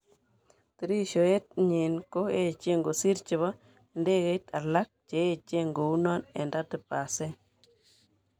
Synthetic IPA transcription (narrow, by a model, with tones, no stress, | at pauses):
ti˨ɾi˦ʃo˨e˦t̚ɲi˨nko˦e˦t͡ʃe˦ŋɡo˨si˦ɾt͡ʃɪ˨βa˦ | nde˦ke˦tʰa˨la˦k̚t͡ʃe˨e˦t͡ʃe˦ŋɡo˨u˦nɔ˦nḛ˨nda˦tɪ˨pa˨se˦